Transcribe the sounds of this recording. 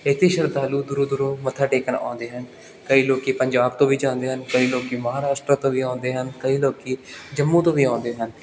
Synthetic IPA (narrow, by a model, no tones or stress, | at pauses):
ɪt̪ʰːeːʃəɾd̪aːluːd̪ʊɾuːd̪ʊɾõːmət̪ʰaːʈeːkənã̰ːnd̪eːɦən | kəiːloːkiːpəɲd͡ʒaːbt̪õːʋiːd͡ʒãːnd̪eːɦənkəiːloːkiːməɦaːɾaːsʈɾət̪õːʋiːãːnd̪eːɦənkəiːloːkiːd͡ʒəmːũːt̪õːʋiːãːnd̪eːɦən